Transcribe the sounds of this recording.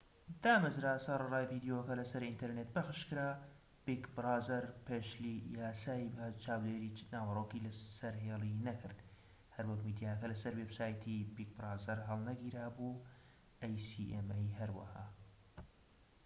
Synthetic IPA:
d̪aːmɨzɾaːsɑɾˤɑrˤaːjviːd̪jokɐlɐsɐɾint̪ʰeɾnet̪̚bɐxɨʃkɨɾaː | b̥ikbɨɾɑːzɐɾpʰeʃlijaːsaːibɐt͡ʃʰaːwd̪eːɾiːnaːwɐrˤokiːlɐsɐɾɦeːlˠinɐkʰɨɾd̪ | hɐɾwɐkmiːd̪ijaːkɐlɐsɐɾweːbsaːjt̪ʰibik̚bɨɾɑːzɐɾɦɐlˠnɐɡiːɾaːbu | ʔajsiʔemejɦɐɾwɐ̰haː

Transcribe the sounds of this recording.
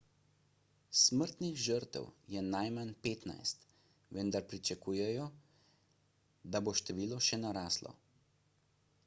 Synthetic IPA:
sməɾt̪nixʒəɾt̪ɛ̰wjɛnajmanpeːt̪na̰jst̪ | ʋənd̪aɾpɾit͡ʃakuːjɛjɔ | d̪aboʃt̪ɛʋiːlɔʃɛnaɾaːslɔ̰

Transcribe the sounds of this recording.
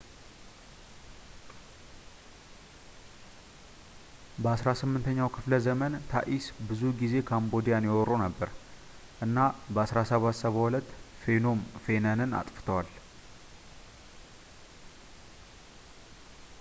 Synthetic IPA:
bəasɾasɨmːɨnt̪ʰəɲːawkʰɨfləzəmənt̪ʰa̰ʔisbɨzuɡize̞kʰambo̞d̪ijanjɛwɔrːunəbːəɾ | ʔɨnːabəasɾasəβat̪səβəwulət̪ːfe̞no̞mfe̞nənɨna̰t̪ʼfɨ̥t̪ʰəwal

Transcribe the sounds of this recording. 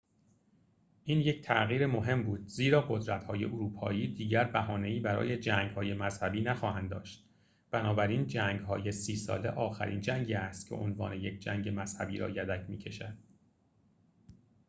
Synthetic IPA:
ʔiːnje̞cʰt̪ʰæɣiːɾe̞mo̞ɦe̞mbuːd̪̥̚ziːɾɒːɢo̞d̪ɾæt̪hɒːje̞̰ʔoɾuːpʰɒ̰ːiːd̪iːɟæɾbæɦɒːne̞iːbæɾɒ̰ːje̞d͡ʒæːŋɡhɒːje̞mæz̥hæbiːnæxɒːhænd̪ɒ̰ːʃt̪ | b̥ænɒːbæɾiːnd͡ʒæːŋɡɦɒːjesiːsɒ̰ːle̞ʔɒːxæ̰ɾḭːnd͡ʒæŋɟiːæst̪kcʰḛʔo̰nvɒ̰ːne̞je̞cʰd͡ʒæŋɡe̞mæz̥hæbiːɾɒ̰ːjæd̪æcʰmiːcʰe̞ʃæd̪̥

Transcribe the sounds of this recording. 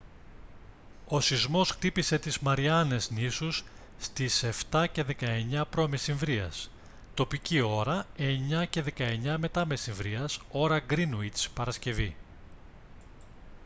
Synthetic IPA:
o̞sizmo̞sxt̪ipise̞t̪izmɐɾiɐne̞znisusː | t̪ise̞ft̪ɐce̞ðe̞kɐe̞ɲɐpɾo̞mesiɱvɾiɐ̰s | t̪o̞picio̞ɾɐe̞ɲɐce̞ðe̞kɐe̞ɲɐme̞t̪ɐmesiɱvɾiɐso̞ɾɐɡɾinuispɐɾɐsce̞vi

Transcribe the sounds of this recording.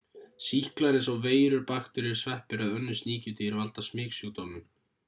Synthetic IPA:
sihklaɾɪs̬awveːjɾʏɾpaxt̪ʏɾɪ̥svɛhpɪɾaðœnːʏsniːcʏt̪iɪɾvalt̪asmɪːksjuɣt̪oːmɪn

